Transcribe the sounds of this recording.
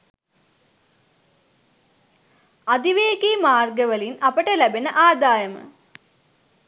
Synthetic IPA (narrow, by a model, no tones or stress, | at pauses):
ad̪iʋeːɡiːmaːrɡəʋəlinapəʈəlæbenəʔaːd̪aːjəmə̰